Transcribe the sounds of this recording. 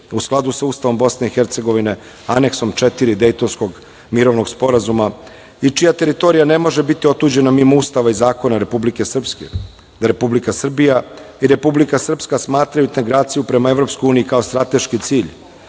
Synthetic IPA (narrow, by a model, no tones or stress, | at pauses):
usklˠad̪usauːst̪aʋo̞mbo̞sne̞ixeɾt̪se̞ɡo̞ʋine̞ | ane̞kso̞mt͡ʃet̪iɾid̪e̞jt̪o̞nsko̞ɡ | miɾo̞ʋno̞ɡspo̞ɾazuma | it͡ʂijat̪e̞ɾit̪o̞ɾijane̞mo̞ʒe̞bit̪io̞t̪uːd͡ʑe̞namimaust̪aʋaizaːko̞naɾe̞publike̞sr̩pskḛ | d̪aɾe̞publikasr̩bija | iɾe̞publikasr̩pskasmaːt̪ɾajut̪eɡɾaːt̪sijupɾe̞mae̞vɾo̞pskojuːniikaost̪ɾat̪e̞ʃkit̪siːʎ